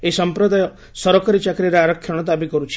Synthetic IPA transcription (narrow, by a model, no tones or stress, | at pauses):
esəmpɾɔd̪ʱaj | sɔɾɔkəɾit͡ʃakɾiɾaɾɔkʰːjɐɳ̃ɔt̪abikɔɾut͡ʃʰ